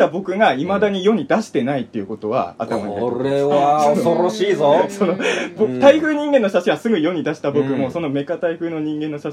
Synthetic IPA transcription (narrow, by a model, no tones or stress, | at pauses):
abo̞kɯ̟ɡaimad̪aɲ̟ijo̞ɲ̟id̪aɕi̥t̪e̞nait̪ːe̞jɯ̟ko̞t̪o̞βa̰a̰t̪aimaieoɾeβaosoɾoɕiːzoso̞nobot̪aiɸɯ̟ːɲ̟ĩŋɡẽ̞nːo̞ɕaɕĩasɨɡɯ̟jo̞ɲ̟id̪aɕi̥t̪abo̞kɯ̟mo̞so̞no̞me̞kat̪aiɸɯːno̞ɲ̟ĩŋɡe̞nːo̞ɕa